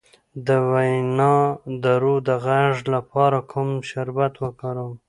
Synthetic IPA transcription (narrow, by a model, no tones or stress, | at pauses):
d̪əwajnɑd̪əɾod̪əɣaʐlapɑɾakʰʊmʃʊɾbat̪wəkaɾə